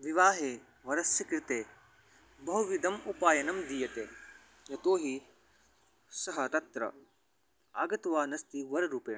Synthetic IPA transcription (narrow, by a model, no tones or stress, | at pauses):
ʋiʋaːɦeː | ʋɐɾɐsjɐkɾɪt̪eː | bɐɦuʋid̪ɐmupaːjɐnɐmd̪ijɐt̪eː | jɐt̪oːɦi | sɐɦɐt̪ɐt̪ɾɐ̰ | aːɡɐt̪ʋaːnɐst̪iʋɐɾɾuːpeː